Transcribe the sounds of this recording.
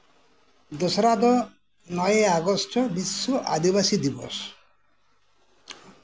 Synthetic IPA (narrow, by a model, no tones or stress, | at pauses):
d̪osɾad̪ɔ | nɔjeaɡɔstʰɔbisːoʔa̰d̪iβasid̪ibɔ̰s